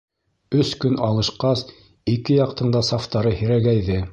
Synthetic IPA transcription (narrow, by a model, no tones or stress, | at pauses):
ɵskɵnʔɑlˠɤ̆ʃqɑs | ikɘjɑq̚t̪ɤ̆ɴd̪ɑsɑft̪ɑɾɤhiɾæɡæjðɘ